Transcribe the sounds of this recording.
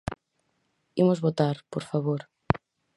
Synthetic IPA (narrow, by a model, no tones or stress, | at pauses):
imozβot̪aɾpoɾfaβoɾ